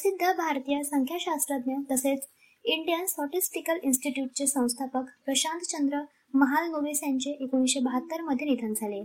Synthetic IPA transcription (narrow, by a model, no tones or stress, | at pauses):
sid̪ʱːabʱaɾt̪ijasəŋkʰjaɕast̪ɾəd̪njət̪əset͡s | iɳɖijənsɔʈisʈikəlinsʈiʈjuʈ̚t͡sesə̃w̃st̪ʰapəkpɾəɕãnt̪t͡ɕənd̪ɾə | məɦalnoʋisjaɲt͡ɕeʔekoɽ̃isɕebəɦət̪ːəɾməd̪ʱjenid̪ʱand͡zʱale